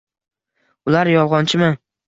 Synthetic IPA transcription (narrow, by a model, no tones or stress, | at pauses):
ʊlaɾjɒlˠʁɒnt͡ʃʰɪma